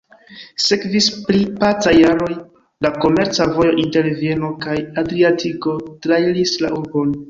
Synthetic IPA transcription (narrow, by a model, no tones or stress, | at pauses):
se̞kvispɾipat͡sajaɾo̞j | lako̞me̞ɾt͡savo̞jo̞ʔinte̞ɾvje̞nokajadɾiatʰiko̞tɾailisla̰ʔuɾbo̞n